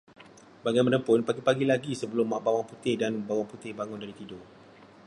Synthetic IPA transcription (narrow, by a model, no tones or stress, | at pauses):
baɡajmə̃nəmpʊnpaɡipaɡilaɡisəbəlʊmːaʔbawaŋput̪ɪhdanbawaŋput̪ɪhbaŋʊndaɾit̪idʊ